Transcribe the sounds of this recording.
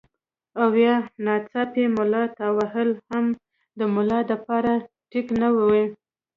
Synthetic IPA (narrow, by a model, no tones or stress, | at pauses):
awjɑnɑt͡sɑpemʊlɑt̪awahəlham | d̪əmʊlɑd̪əpɑɾa | ʈiknawəwi